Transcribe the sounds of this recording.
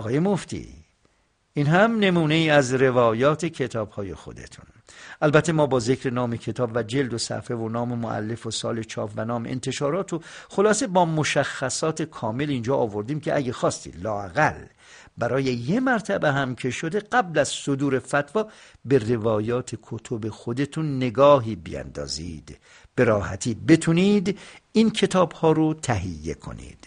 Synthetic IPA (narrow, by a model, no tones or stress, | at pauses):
ɒɣɒːjemoft̪ḭ | inɦæmne̞muːne̞iːæzɾe̞vɒːjɒːt̪ʰecʰe̞t̪ʰɒːb̥hɒːjḛxo̞̰d̪e̞̰t̪ʰun | ʔælbæt̪ʰːe̞mɒːbɒːze̞kɾe̞nɒːmecʰe̞t̪ʰɒːbvæd͡ʒe̞ld̪osæ̰fe̞vonɒːmemoʔæ̰lːe̞fosɒ̰ːle̞t͡ʃʰɒːpʰvænɒːmḛḛnt̪ʰe̞ʃɒːɾɒːt̪ʰoxolɒːsebɒːmoʃæxːæsɒːt̪ʰe̞kʰɒːme̞lind͡ʒɒːʔːvo̞ɾd̪iːmcʰeʔæɟexɒːst̪ḭːd̪lɒːæɣæl | bæɾɒːjejemæɾt̪ʰæbeɦæmcʰe̞ʃod̪eɡæblæz̥sod̪uːɾe̞fæt̪vɒːbe̞re̞vɒːjɒːt̪ʰekʰot̪ʰobexod̪e̞t̪ʰunːe̞ɡɒːɦiːbḭjæ̰nd̪ɒ̰ːzḭːd̪̥ | b̥e̞ɾɒːhæt̪ʰiːbe̞t̪ʰuniːd̪inkʰe̞t̪ʰɒːbhɒːɾot̪ʰæɦḭjːe̞̰kʰo̰nḭːd̪̥